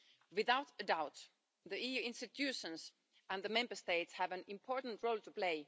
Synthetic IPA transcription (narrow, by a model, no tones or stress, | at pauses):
wɪðaʊtədaʊt | ðiijʉɪ̃nstɨtʰjʉʃə̃nz | ə̃nðəmɛ̃mbə˞steɪtshævɨ̃nɪ̃mpʰɔɹtn̩tɹoʊlˠtʰupl̥eɪ